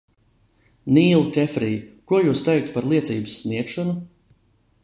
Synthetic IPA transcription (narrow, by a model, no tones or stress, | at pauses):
niːlˠkʲɛfɾiːjkuɔjuːst̪ɛjk̚t̪paɾlˠiɛt̪siːbɨ̥sːniɛk̪ʃɔnu